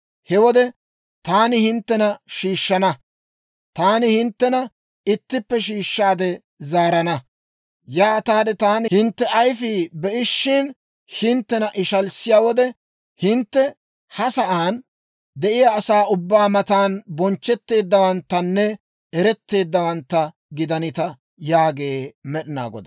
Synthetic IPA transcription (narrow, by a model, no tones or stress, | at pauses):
hɛwɔd̪ɛ | t̪aːnɪhɪnt̪ːɛnɐʃiːʃːɐnɐ | t̪aːnɪhɪnt̪ːɛnɐ | ɪt̪ːɪpːɛʃiːʃːaːd̪ɛ | zaːɾɐnɐ | jaːt̪aːd̪ɛt̪aːnɪhɪnt̪ːɛʔɐjfiːbɛʔɪʃːɪn | hɪnt̪ːɛnɐʔɪʃɐlsɪjaːwɔd̪ɛ | hɪnt̪ːɛ | hɐsɐʔaːn | d̪ɛʔɪjaːsaːʊbːaːmɐt̪aːnbɔnt͡ʃːɛt̪ːe̞ːd̪ːɐwɐnt̪ːɐnːɛ | ɛɾɛt̪ːe̞ːd̪ːɐwɐnt̪ːɐ | ɡɪd̪ɐnɪt̪ɐ | jaːɡe̞ːmɛɗɪna̰ːɡɔ̰d̪ɐ